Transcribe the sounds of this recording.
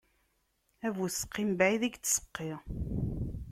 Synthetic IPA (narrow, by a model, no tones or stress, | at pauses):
ævuθə̥qːimbæiðæɡt͡sːsə̥qːiʁ